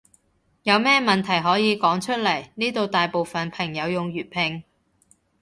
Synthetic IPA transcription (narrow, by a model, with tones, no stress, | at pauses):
jɐ˨˧wmɛː˥mɐ˨nt̪ʰɐ˨˩jɦɔː˨˥jiː˨˧kɔː˨˥ŋt͡ʃʰɵ˥t̚lɐ˨˩jniː˥t̪o˨wt̪aː˨jpo˨wfɐ˨npʰɐ˨˩ŋjɐ˨˧wjʊ˨ŋjyː˨t̚pʰɪ˧ŋ